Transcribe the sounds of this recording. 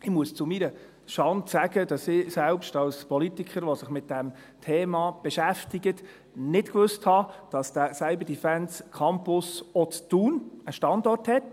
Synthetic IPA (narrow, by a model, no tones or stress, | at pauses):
ɪmuəst͡sʊmiɾə | ʃɑntsæɡədɑsɪsɛlpʃtɑlspɔlitikχəɾʋosɪχmɪt̚d̥æm | tʰeːmɑb̥ɛʃæftiɡət | nɪtkʋɵsthɑd̥ɑsd̥əsaɪbədifænskʰɑmpʊsɔt͡stuːnəʃtɑndɔrthɛt